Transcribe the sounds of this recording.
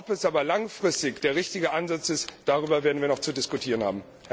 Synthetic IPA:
ɔpɛsʔaːbɐlaŋfʁ̥ɪstɪçd̥eːɐʁ̞ɪçtɪɡəʔanzat͡sɪstd̥aʁ̞yːbɐveːɐdn̩viːɐnɔχt͡sudɪskutʰiːʁənha̰ːbm̩

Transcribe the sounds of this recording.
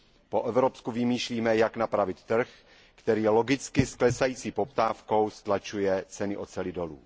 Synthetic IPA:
po̞ʔɛvɾopskuvɪmiːʃliːmɛjaknapɾavɪt̪ːr̩x | kt̪ɛɾiːjɛlo̞ɡɪt͡skɪsklɛsajiːt͡siːpo̞p̚t̪aːfko̞wst̪lat͡ʃujɛt͡sɛnɪʔo̞t̪t͡sɛlɪdo̞lṵː

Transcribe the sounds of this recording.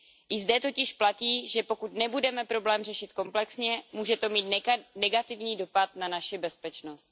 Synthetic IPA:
ʔɪzdɛt̪o̞cɪʃplaciːʒɛpo̞kut̪nɛbudɛmɛpɾo̞blɛːmrɛʃɪt̪ko̞mplɛksɲɛmuːʒɛt̪o̞miːt̪nɛɡat̪ɪvɲiːdo̞pat̪nanaʃɪbɛspɛt͡ʃno̞st̪̚

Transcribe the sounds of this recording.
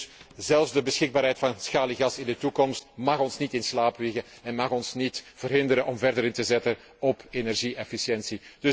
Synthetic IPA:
zɛlˠvzdəbəsxɪɡ̚baːɾɦɛjtfɑnsxaːliɣɑsɪndətukɔmstmɑxɔnsnitɪnslaːpʋɪɣə | ɛnmɑxɔnsnitv̥ərɦɪndəɾəʔɔmvɛrdəɾɪntəzɛtə | ɔpʰenɛrʒiʔɛfisjɛnsid̥ɵ

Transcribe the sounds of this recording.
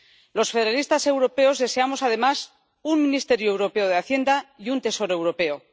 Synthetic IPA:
lo̞sfe̞ðeɾalist̪ase̞wɾo̞pe̞o̞zðe̞se̞amo̞sað̞e̞mas | unmĩnist̪e̞ɾjoewɾo̞pe̞oð̞eaθje̞nd̪aiunt̪e̞so̞ɾoe̞wɾo̞pe̞o

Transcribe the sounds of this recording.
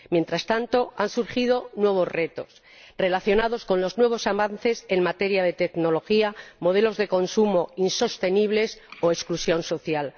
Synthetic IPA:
mje̞nt̪ɾast̪ant̪o̞ansuɾxiðo̞nwe̞β̞o̞zre̞t̪o̞s | re̞laθjo̞nað̞o̞sko̞nlo̞znwe̞β̞o̞saβan̟θe̞se̞nmat̪e̞ɾjaðe̞t̪e̞kno̞lo̞xiamo̞ð̞e̞lo̞zðe̞ko̞nsumo̞inso̞st̪e̞niβ̞le̞soesklusjo̞nso̞θjal

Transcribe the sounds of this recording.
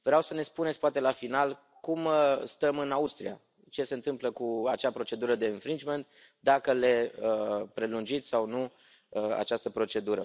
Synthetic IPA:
vɾeawsəne̞spunesʲpoat̪e̞lafinal | kumst̪əmɨnaust̪ɾia̰ | t͡ʃe̞se̞ɨnt̪ɨmpləkuat͡ʃapɾo̞t͡ʃe̞d̪uɾəd̪e̞infɾint͡ʃme̞nt̪̚ | d̪akəle̞əpɾe̞lund͡ʒit̪sʲsawnu | əa̰t͡ʃast̪əpɾo̞t͡ʃe̞d̪uɾə̰

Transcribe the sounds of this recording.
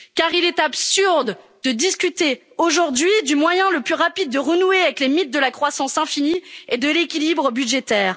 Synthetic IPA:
kaʁilɛt̪apsyʁd̪d̪əd̪iskʲyt̪e | oʒuʁd̪ɥid̪ymwajɛ̃ləplyʁapid̪̚ːəʁənueavɛklemit̪̚d̪əlakχwasɑ̃sɛ̃finied̪əlekʲilibʁəbyd̪ʒet̪ɛːʁ

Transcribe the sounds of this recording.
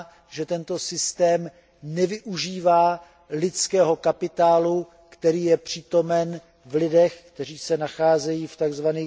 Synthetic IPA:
ʒɛt̪ɛnt̪o̞sɪst̪ɛːm | nɛvɪʔuʒiːvaː | lɪt͡skɛːɦo̞kapɪt̪aːlu | kt̪ɛɾiːjɛpr̥iːt̪o̞mɛn | vlɪdɛxkt̪ɛr̝iːsɛnaxaːzɛjiːft̪aɡzvaniː

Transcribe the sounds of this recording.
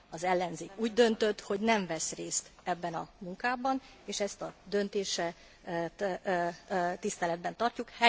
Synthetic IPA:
ɒzɛlːɛnzeːkuːɟd̪ø̞nt̪ø̞t̪ho̞ɟnɛɱvɛsreːst̪ɛbːɛnɒmuŋkaːbɒn | eːʃɛst̪ɒd̪ø̞nt̪eːʃɛ | t̪ist̪ɛlɛd̪̚bɛnt̪ɒrcukhɛ

